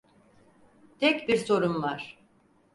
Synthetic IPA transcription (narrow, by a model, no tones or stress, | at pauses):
t̪ʰɛcbiɾso̞ɾunlˠaɾ̥